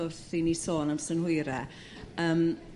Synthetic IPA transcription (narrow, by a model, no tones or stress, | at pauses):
ʊθinisoːnamsənhʊɨɾɛ | əːm